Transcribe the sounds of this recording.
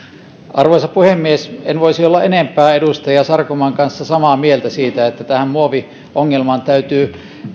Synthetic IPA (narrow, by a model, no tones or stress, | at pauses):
ʔɑrʋoˑisɑpuhemːiesenʋoisiolːɑʔenempˑæːedust̪ɑjɑsɑrkomɑŋkɑnsːɑsɑmɑmielt̪æsiːt̪æet̪ːæt̪æhæmmuoʋi | ʔoŋːelmɑnt̪æyt̪yː